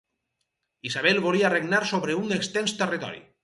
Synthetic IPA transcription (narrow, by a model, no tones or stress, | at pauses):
izaβɛlˠβoliareɡnaɾsoβɾeunekst̪ɛnst̪erit̪ɔ̰ɾḭ